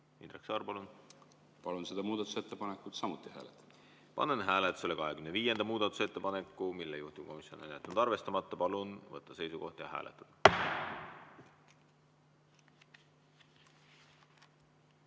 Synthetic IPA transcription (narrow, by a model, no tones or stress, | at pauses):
ind̪reksɑːrpɑlun | pɑlunsed̪ɑmuːd̪ɑt̪ːˑuset̪ːepɑnekːˑut̪sɑmut̪ːˑihæ̰ːlet̪ːˑɑ̥ | pɑ̰nenɦæːlet̪ːˑu̥sele̞kɑɦekymneviːje̞nd̪̥ɑmuːd̪̥ɑt̪ːˑu̥se̞t̪ːˑepɑne̞kˑːumilːejuht̪iko̞misjo̞nenjæt̪ɑnud̪̥ɑrve̞st̪ɑmɑt̪ˑːɑpɑlunvɤ̰t̪ˑːɑse̞jsuko̞ht̪ɑjɑɦæ̰ːlʔḛt̪ːˑɑd̪̥